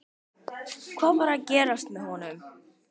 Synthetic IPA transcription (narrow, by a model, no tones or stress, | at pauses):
kʰvaːvaɾaðcɛːɾast̪mɛðhɔnʏm